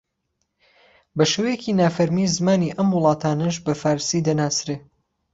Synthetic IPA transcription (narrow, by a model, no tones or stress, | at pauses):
bɐʃewejeciːnaːfɐɾmiːzɨmaːniːʔɐmwʊlˠɑːt̪ʰaːnɐʒbɐfaːɾsid̪ɐnaːsɾeː